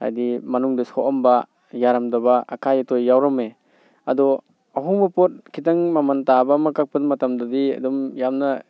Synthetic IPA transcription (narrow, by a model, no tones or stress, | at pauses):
ha̰jdimɐnuŋdisoʔɐmba | jaɾɐmdɐbaa̰kʰajatojːawɾɐme | ɐdɔ | ɐɦuŋbɐpot̚kʰitaŋmamantabamakak̚pɐdmɐtamdɐdiɐ̰dɔmjamnɐ